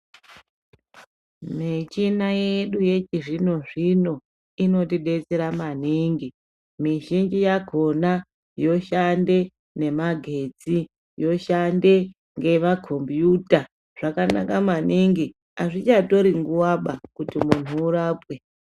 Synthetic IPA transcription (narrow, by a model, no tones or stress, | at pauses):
mit͡ʃinajeɗuje̞t͡ʃiʐino̞ʐino̞ | ino̞tiɗe̞t͡seɾamaniŋɡi | miʒiɲd͡ʒijakʰo̞na | jo̞ʃande | ne̞maɡʱe̞t͡si | jo̞ʃande̞ | ŋɡe̞ʋakʰo̞mbjuta | ʐ̥akana̰kamaniŋɡi | aʐit͡ʃato̞ɾiŋɡuwaɓakutimunuːɾaːpwe